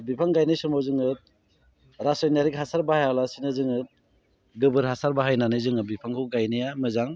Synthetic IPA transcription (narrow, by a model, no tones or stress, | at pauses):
bipʰaŋɡajnijsuɾmawzɯŋɯt̪̚ | ɾasajnaɾikhasaɾbahajawlasinazɯŋɯt̚ | ɡɯbɯɾɦasaɾbaɦajnanɯjzɯŋɯbipʰaŋkʰɯwɡajnijamɯzaŋ